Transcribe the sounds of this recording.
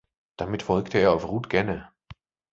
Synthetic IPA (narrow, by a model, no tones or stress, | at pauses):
d̥amɪtfɔlktəeːɐaʊfʁuːtɡ̥ɛnə